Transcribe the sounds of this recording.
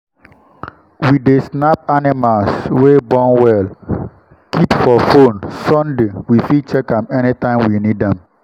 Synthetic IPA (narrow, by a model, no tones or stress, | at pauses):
widesnapanimalswebɔ̃nwɛl | kipfɔfonsɔ̃ndewifit͡ʃɛkãmɛnitãɪ̃mwinidɛ̃m